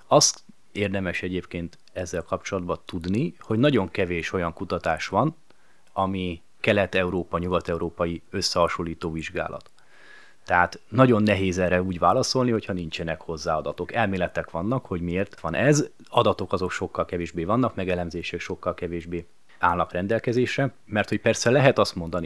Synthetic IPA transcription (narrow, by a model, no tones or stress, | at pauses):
ɒst̪ | eːrd̪ɛmɛʃɛɟeːpkeːnt̪ | ɛzːɛlkɒp̚t͡ʃo̞lɒd̪bɒt̪ud̪niho̞ɟnɒɟo̞ŋkɛveːʃo̞jɒŋkut̪ɒt̪aːʃʋɒn | ɒmi | kɛlɛt̪ɛuɾoːpɒɲuɡɒt̪ɛuɾoːpɒjiø̞sːɛhɒʃolːiːt̪oːviʒɡa̰ːlʔɒ̰t̪ː | ɛɦaːt̪nɒɟo̞nːɛɦeːzɛrɛuːɟʋvaːlɒso̞lniho̞chɒnint͡ʃɛnɛkho̞zːaːɒd̪ɒt̪o̞kɛlmeːlɛt̪ɛkʋɒnːɒkho̞ɟmieːrt̪ʋɒnʔɛz | ɒd̪ɒt̪o̞kɒzo̞kʃo̞kːɒlkɛveːʒbeːvɒnːɒkmɛɡɛlɛmzeːʃɛkʃo̞kːɒlkɛveːʒbeː | aːlnɒkrɛnd̪ɛlkɛzeːʃɛ | mɛrt̪ho̞cpɛrsɛlɛɦɛt̪ɒst̪mo̞nd̪ɒni